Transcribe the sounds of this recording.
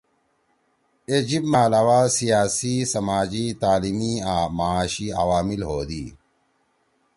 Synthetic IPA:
ed͡ʑibmaːlaːwaːsijaːsisɐmaːd͡ʑit̪aːlimiaːmaaːɕia̰waːmilɦoːd̪iː

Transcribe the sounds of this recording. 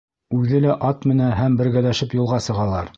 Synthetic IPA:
ʉðɘlæʔɑt̪mɘ̆næɦæmbɘ̆ɾɡælæʃɘpjŭlˠʁɑsɤ̆ʁɑlˠɑɾ

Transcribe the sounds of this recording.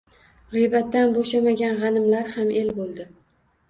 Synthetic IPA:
ʁijbat̪ːanboʃamaɡʲanʁɑnɪmlaɾhamʔe̞lbolˠd̪ɪ

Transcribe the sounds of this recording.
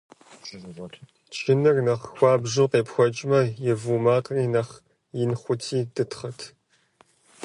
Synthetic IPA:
t͡ʃʰɪnɨrnɐχxʷɑːbʒɨqeːpxʷɔt͡ʃʼmɐjɪvumaːtʼriːnɐχ | jɪnχʷʊtʰiːdɨtʰχɐtʰ

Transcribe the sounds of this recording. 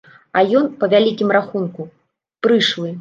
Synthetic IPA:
ɐjɔnpɐvʲalʲikʲimɾaxunku | pɾɨʂlˠɨ

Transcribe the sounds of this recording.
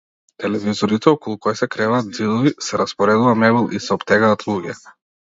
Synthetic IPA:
t̪ɛlɛvizɔɾit̪ɛɔkɔlˠukɔjsɛkɾɛvaːd̪̚zid̪ɔvisɛɾaspɔɾɛd̪uvamɛbilˠisɛɔbt̪ɛɡaːt̪lˠuɡɛ

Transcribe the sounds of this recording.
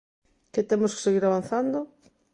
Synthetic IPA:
kɪt̪emʊske̥seɣiɾaβan̟θand̪o

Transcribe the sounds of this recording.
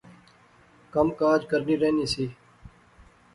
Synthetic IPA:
kəmkaːd͡ʒkəɾniːɾeːniːsiː

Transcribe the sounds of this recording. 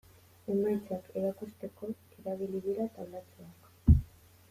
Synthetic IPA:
e̞majt͡sake̞ɾakust̪e̞ko̞ | eɾaβiliðiɾat̪aβlat͡soak

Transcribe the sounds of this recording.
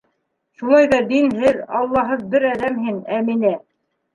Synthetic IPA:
ʃulˠɑjðɑd̪inɦɘɾɑlˠːɑɦɤðbɘɾæðæmɦɘnæminæ

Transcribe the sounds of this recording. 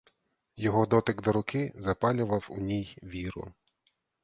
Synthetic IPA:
jɔɦɔd̪ɔt̪ɪɡd̪ɔɾʊkɪzɐpɑlʲʊʋɐwʊnʲijʋʲiɾʊ̰

